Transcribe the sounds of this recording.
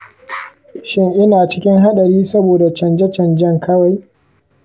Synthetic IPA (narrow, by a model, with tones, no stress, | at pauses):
ʃɪ˦ŋʔɪ˦naː˨t͡ʃɪ˦kʲɪ˦ŋɦa˦ɗɐ˨ɽiː˦sɐ˦boː˨da˨t͡ʃɐ˨nd͡ʒɛ˦t͡ʃɐ˨nd͡ʒɐ˦ŋkʰɐ˦wa˨j